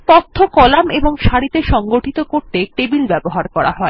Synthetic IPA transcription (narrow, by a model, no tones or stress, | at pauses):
p̪ɔt̪ʰːokɔlameboŋʃaɽit̪eʃɔŋɡoʈit̪okoɾt̪eʈebilbɛboɦaɾkɔɾa̰ɦɔe